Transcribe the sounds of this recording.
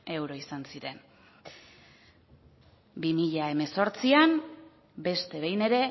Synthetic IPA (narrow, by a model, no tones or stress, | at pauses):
e̞wɾo̞isansiɾe̞n | bimiʎae̞me̞so̞ɾt͡siam | be̞st̪e̞βe̞jne̞ɾe̞